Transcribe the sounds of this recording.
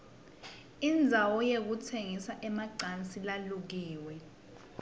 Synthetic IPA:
ind͡zʱawɔjek̬utʰeŋisaʔɛmaǀant͡sʼilaluk̬iːwɛ

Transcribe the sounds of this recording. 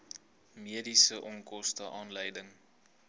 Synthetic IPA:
miədisəʔɔŋkɔstəʔɑːnləjdəŋ

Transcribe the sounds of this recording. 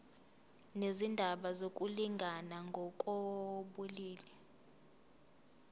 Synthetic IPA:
nezindʱaɓazokʼuliŋɡʱanaŋɡʱɔkʼoɓuliːlɛ

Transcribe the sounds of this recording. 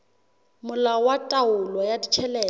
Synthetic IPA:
mʊlawatʼaʊlɔjadit͡ʃʰɛlɛː

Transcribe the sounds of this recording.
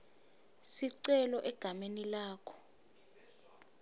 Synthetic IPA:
siǀɛlɔʔɛɡ̥ʱamenilaːkʰɔ̥

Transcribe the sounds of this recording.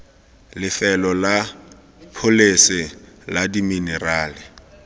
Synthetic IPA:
lɪfɛlɔla | pʰolesɪ | ladiminɛraːlɪ

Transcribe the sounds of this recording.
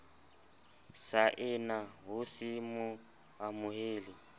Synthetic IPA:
saʔɪnaɦʊsɪmʊ | ɦamʊɦeːli

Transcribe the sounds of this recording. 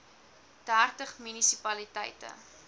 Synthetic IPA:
d̥æːrtəχmynisipɐlitə̰jtə̰

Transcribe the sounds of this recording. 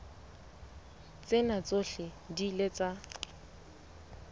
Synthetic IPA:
t͡sʼɪnat͡soɬɪ | dilet͡sa

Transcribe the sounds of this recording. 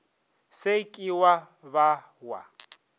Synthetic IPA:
sekʼiwa | ba | wa̰

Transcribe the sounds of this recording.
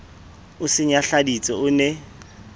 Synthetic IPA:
ʊsɪɲaɬadit͡sʼɔʊnɛ

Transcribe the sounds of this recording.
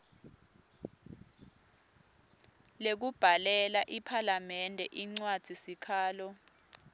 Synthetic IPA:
lek̬ub̥ʱalɛlaʔipʰalamɛndʱɛʔiŋ͡ǀwad̥ʱisikʰaːlɔ

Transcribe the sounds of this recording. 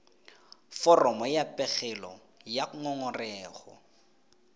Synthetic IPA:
fɔrɔmɔjapʼɛɣɛlɔ̰ | jaŋɔŋɔrɛːχɔ̰

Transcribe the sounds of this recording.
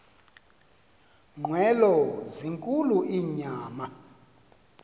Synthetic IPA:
ŋ͡ǃʱwɛlɔziŋkʼuluʔiɲaːma

